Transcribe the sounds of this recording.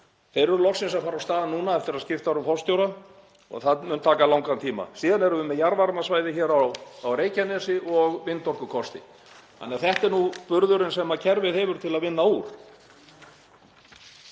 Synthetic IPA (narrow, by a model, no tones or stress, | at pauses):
θejɾʏɾʏlɔxsɪnsaðfaːɾawst̪aːðanːuːnaɛft̪ɪɾaðscɪft̪aɾʏmfɔst̪jowɾa | ɔ̰ɣθaðmʏnt̪ʰaːkalawŋkant̪ʰiːma̰siːðanɛɾʏvʏmɛðjaɾvaɾmasvaːjðɪçɛːɾawːwɾeːjcanɛsɪʔɔɣvɪnt̪ɔr̥kʏkʰɔst̪ɪ̰ | a̰nɛːaθɛht̪ɛɾnupʏɾðʏɾɪnsɛmacʰɛɾvɪðhɛvʏɾ̥t̪ʰɪlaðvɪnːauːɾ̥